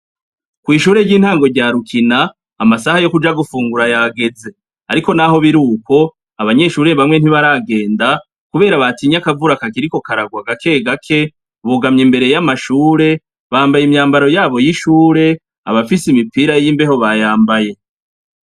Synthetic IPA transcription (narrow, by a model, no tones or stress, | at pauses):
kwiːʃuːɾe̞ɾɟiːn̥haːŋɡo̞ɾɟaːɾukinaː | masahajo̞kud͡ʒaɡufuːŋɡuɾajaːɡe̞ze̞ | a̰ɾiko̞naɦo̞βiɾuːko̞ | aβaɲe̞ʃuːɾe̞βamŋe̞n̥iβaɾaɡe̞ːnda | kuβe̞ːɾaβatiɲakavuɾakakiɾiko̞kaɾaɡwaɡake̞ɡakʰe̞ | βuɡamɲembe̞ɾe̞jamaʃuːɾe̞ | βaːmbajimɲaːmbaɾo̞jaːβo̞jiʃuːɾe̞ | a̰βafisimipiːɾajiːmbe̞ɦo̞βajaːmbaje̞